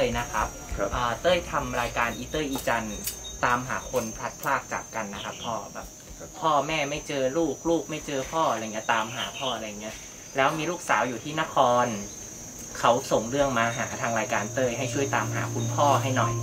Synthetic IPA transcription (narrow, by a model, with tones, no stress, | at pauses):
t̪ɤː˧˩jna˦˥kʰɾa˦˥p̚ʔɤː˨˩t̪ɤː˥˩jt̪ʰa˧mɾaː˧jkaː˧nʔiː˧˦t̪ɤː˥˩ʔiː˧t͡ɕa˧nt̪aː˧mɦa̰ː˩˦kʰo˧npʰla˦˥t̪̚pʰlaː˥˩k̚t͡ɕa̰ː˨˩kːa˧nːa˦˥kʰa˦˥pʰːɔː˥˩bɛ̰ː˨˩p̚ | pʰːɔː˥˩mɛː˥˩ma˥˩jt͡ɕɤː˧luː˥˩k̚luː˥˩k̚ma˥˩jt͡ɕɤː˧pʰɔː˥˩ʔa˧ɾjːŋːni˦˥t̪aː˧mɦaː˩˦pʰɔː˥˩ʔa˧ɾa˧jːa˨˩ŋːni˦˥ɐ | lɛː˦˥wmiː˧luː˥˩k̚saː˩˦wjuː˨t̪ʰiː˥˩na˦˥kʰɔː˧n | kʰa˦˥wso˨˩ŋɾɯ˥˩əŋmaː˧ɦaː˩˦t̪ʰaː˧ŋɾaː˧jkaː˧nt̪ɤː˥˩jɦa˥˩jt͡ɕʰu˥˩əjt̪aː˧mɦa̰ː˩˦kʰu˧npʰɔː˥˩ɦa˥˩jnɔ˨˩j